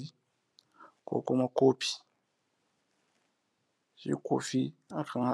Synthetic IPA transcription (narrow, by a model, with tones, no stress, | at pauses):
i | ko̰˨ko˦ma˨ko˦pi̥˨ | ʒ̥ḭ˦˨ko̰˨fi˦a˨tʰa˦ŋa